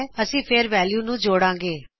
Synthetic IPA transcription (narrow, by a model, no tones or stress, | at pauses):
əsĩːpʰeːɾʋɛːljuːnũːd͡ʒoːɽãːŋɡeː